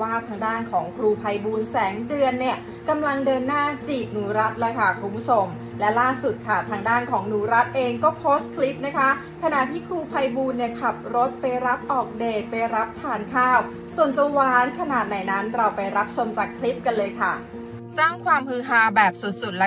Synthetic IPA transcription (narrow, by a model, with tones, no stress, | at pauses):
waː˥˩t̪ʰaː˧ŋdaː˥˩nkʰɔː˩˦ŋkʰɾuː˧pʰa˧jbuː˧nsɛː˩˦ŋdɯ˧ənːi˥˩ə | ka˧mla˧ŋdɤː˧nːaː˥˩t͡ɕiː˨˩p̪̚nuː˩˦ɾa˦˥t̪̚lɤː˦˥jkʰa˥˩kʰu˧mbʰu˦˥t͡ɕʰo˧m | lɛ˦˥laː˥˩su˨˩t̪̚kʰa˥˩t̪ʰaː˧ŋdaː˥˩nkʰɔː˩˦ŋnuː˩˦ɾa˦˥t̪̚ʔeː˧ŋkɔː˥˩pʰoː˦˥st̪̚kʰli˦˥p̚na˦˥kʰa˦˥ | kʰa˧na˨˩t̪ʰiː˥˩kʰɾuː˧pʰa˧jbuː˧nːi˥˩ɐkʰla˨˩p̚ɾo˦˥t̪̚pa˧jɾa˦˥p̚ʔɔː˨˩k̚deː˨˩pa˧jɾa˦˥p̚t̪ʰaː˩˦nkʰaː˥˩w | su˨˩ənt͡ɕa˧wwaː˨˩˦nkʰa˧naː˨˩t̪̚na˨˩˦jna˦˥nɾa˧wpa˧jɾa˦˥p̚t͡ɕʰo˧mt͡ɕaː˨˩kʰli˦˥p̚ka˧nlɤː˧jkʰa˥˩ | saː˥˩ŋkʰwaː˧mhɯː˧˥ɦaː˧˩bɛː˨˩p̚su˨˩t̪̚su˨˩t̪̚lɛ˦